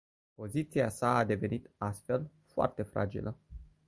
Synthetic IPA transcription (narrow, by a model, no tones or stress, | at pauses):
po̞zit̪siasaːd̪e̞ve̞nit̪ast̪fe̞l | foa̰rt̪e̞fɾa̰d͡ʒḭlʔə